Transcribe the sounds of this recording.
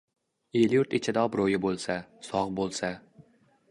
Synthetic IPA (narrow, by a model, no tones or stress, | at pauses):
eljʊɾt̪et͡ʃʰɪd̪aɒbɾojɪbolˠsasɒʁbolˠsa